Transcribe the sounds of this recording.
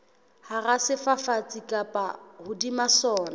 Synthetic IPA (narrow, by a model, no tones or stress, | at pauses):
harasɪfafat͡sʼikʼapʼa̰hʊdimasɔːna